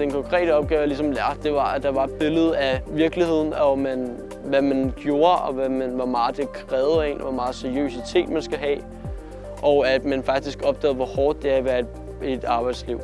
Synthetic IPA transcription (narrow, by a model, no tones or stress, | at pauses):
d̥enkʰɒ̽ŋkʰʁɛ̰ːɾəɒ̽b̥̚ɡ̥ɛːʊlisɒ̽mld̥e̝ʋɑ̈æd̥ɑ̈ʋɑ̈d̥̚b̥e̝ləð̞̩ˠæʋiɐɡ̥lihe̝ð̞̰ˠn̩ɒmæn | ʋæmænɡ̥jo̝ːɐɒ̽ʋæmænʋɒmɑ̈ːð̩ˠd̥e̝kʰʁɛːʊð̩ˠe̝̰ːnʋɒmɑ̈ːð̩ˠsæɐijø̰sit͡sʰe̝̰ːd̥mænsɡ̥æɦɛ̰ː | ʔɒ̽ʊæd̥mænfɑ̈ɡ̥̚d̥isɡ̥ɒ̽b̥̚d̥ɛ̰ːð̩ˠʋɒ̽hɒːd̥̚ːe̝æʋæːɐ̥ | ed̥ɑ̈ːb̥ɑ̈ɪd̥sliʊ̰